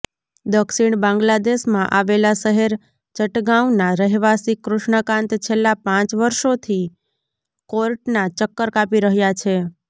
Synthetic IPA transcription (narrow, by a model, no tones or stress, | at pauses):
d̪əkʃiɳ̃bãŋɡlad̪eʃmãʔaʋelaʃəɦeɾ | t͡ʃəʈɡãwnaɾəɦʋasikɾʊʃɳəkãnt̪t͡ʃʰelːapãt͡ʃʋəɾʃot̪ʰi | koɾʈnat͡ʃəkːəɾkapiɾəɦjat͡ʃʰe